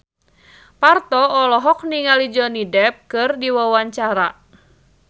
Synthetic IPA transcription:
part̪ɔːlɔɦɔk̚niŋalid͡ʒɔnidɛp̚kɨrdiwawaɲt͡ʃaɾa

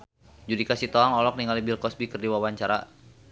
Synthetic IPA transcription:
d͡ʒudikasit̪oaŋɔlɔk̚niŋalibilkɔsbikɨrdiwawaɲt͡ʃaɾa̰

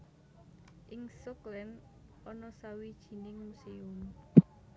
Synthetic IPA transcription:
ʔɪŋsʊklɛn | ɔnɔsawid̥ʒ̥i̤nɪŋmuseʊm

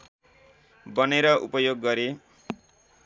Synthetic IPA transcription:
bʌneɾʌʔṵpʌjoɡːʌɾe

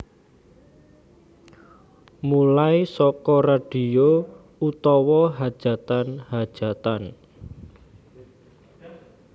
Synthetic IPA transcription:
mulaisɔkɔraɖ̥i̤o | ut̪ɔwɔɦad̥ʒ̥a̤t̪anhad̥ʒ̥a̤t̪an

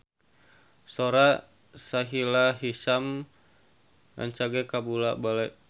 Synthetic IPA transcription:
soɾa | saɦilaɦisam | a̰ɲt͡ʃaɡekabulabalɛ

